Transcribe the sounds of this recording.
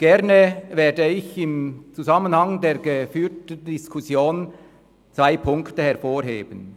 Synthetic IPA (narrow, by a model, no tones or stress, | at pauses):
ɡ̥ɛʁnəveːdəɪçɪmt͡suzamənhaŋdeːɾɡəfyːtn̩dɪskʰʊsjoːn | t͡svaɪpʰʊŋktəhɛɾfoːɾɦḛːbən